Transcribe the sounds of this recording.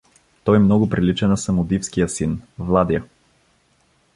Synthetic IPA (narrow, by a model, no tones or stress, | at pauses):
t̪ɔjmnɔɡʊpɾilit͡ʃɛnɐsɐmʊd̪ifskijəsinvlˠad̪jə